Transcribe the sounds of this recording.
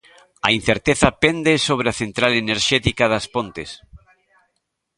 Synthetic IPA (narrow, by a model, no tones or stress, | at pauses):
ɐin̟θeɾt̪eθapend̪esoβ̞ɾeaθent̪ɾaleneɾʃɛt̪ikaðaspont̪es